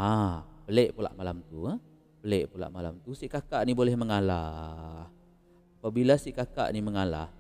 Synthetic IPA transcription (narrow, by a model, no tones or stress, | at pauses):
apəlɛʔpula̰ʔmalamt̪u | pəlɛʔpula̰ʔmala̰mt̪usiʔkakaʔnibolɛhməŋalah | apabilasiʔkaka̰ʔniməŋala̰h